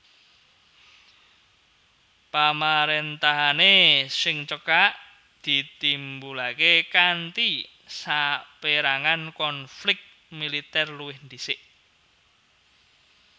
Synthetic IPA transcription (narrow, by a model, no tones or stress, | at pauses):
pamaɾent̪aɦanesɪŋt͡ʃəkaʔ | d̪̥i̤t̪imbulakekant̪i | sapeɾaŋankɔnflɪk̚t̪̚ | milit̪ɛrluwɪhnd̪isɪʔ